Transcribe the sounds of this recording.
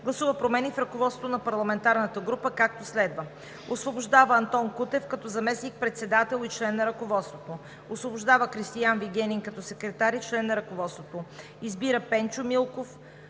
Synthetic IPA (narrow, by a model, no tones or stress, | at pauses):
ɡlˠɐsuvəpɾomɛnifɾɐkovɔt̪sot̪onɐpɐɾlˠɐmɛnt̪aɾnət̪əɡɾupəkak̚t̪oslɛd̪və | osvobʊʒd̪avəɐnt̪ɔnkut̪ɛfkɐt̪ɔzɐmɛsnik̚pɾɛt̪sɛd̪at̪ɛlˠit͡ʃlɛnːɐɾɐkovɔt̪st̪vot̪o | osvobʊʒd̪avəkɾist̪ijanviɡɛniŋkɐt̪ɔsɛkɾɛt̪aɾit͡ʃlɛnːɐɾɐkovɔt̪st̪vot̪o | izbiɾəpɛnt͡ʃʊmilˠkof